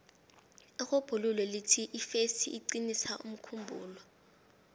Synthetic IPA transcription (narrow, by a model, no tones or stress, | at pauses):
ixob̥ʱululɛlitʰiʔifesiʔːǀinisaʔum̩kʰumbʱuːlɔ